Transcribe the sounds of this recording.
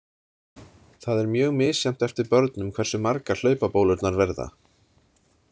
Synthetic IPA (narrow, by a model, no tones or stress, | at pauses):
θaðɛɾmjœːɣmɪːsjɛm̥t̪ɛft̪ɪɾpœɾt̪nʏmkʰvɛɾ̥sʏmaɾkal̥œːɥpapowlʏt̪naɾvɛɾða̰